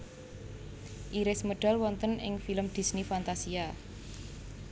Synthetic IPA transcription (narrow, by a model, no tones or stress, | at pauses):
ʔiɾɪsməɖ̥a̤lwɔnt̪ənɪ̰ŋfiləmd̪̥i̤snifant̪asia